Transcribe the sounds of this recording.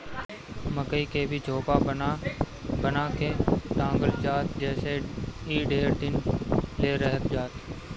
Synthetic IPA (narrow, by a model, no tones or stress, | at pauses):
məkəiːkʰeːbʱɪd͡ʒʱoːpaːən | bənaːkʰeːt̪ãːŋɡəld͡ʒaːt̪d͡ʒɛːseiːɖeːɾd̪ɪnleːɾəɦət̪d͡ʒaːt̪